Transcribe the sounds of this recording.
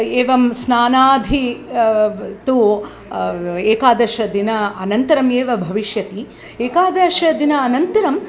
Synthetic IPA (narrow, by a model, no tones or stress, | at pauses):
eːʋɐmsnaːnaːd̪ʱi | t̪u | eːkaːd̪ɐʃɐd̪inɐɐnɐnt̪ɐɾɐmeːʋɐbʱɐʋiʃjɐt̪i | eːkaːd̪ɐʃɐd̪inɐːnɐnt̪ɐɾɐm